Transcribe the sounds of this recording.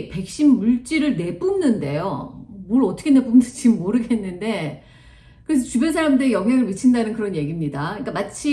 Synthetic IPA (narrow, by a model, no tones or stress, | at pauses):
pe̞k̚ɕ͈imːuɭt͡ɕ͈iɾɯɭne̞p͈umnɯnde̞jo̰moɾʌt͈ʰʌkʰene̞pumnɯt͡ɕimmːoɾɯɡe̞nːɯnde̞ | kɯɾes̬ʰʌt͡ɕubjʌnsʰaɾamdɯɾijʌŋɦjaŋɯɭmɯt͡ɕʰindanɯnkɯɾʌnje̞ɡimɲidaik͈amat͡ɕʰi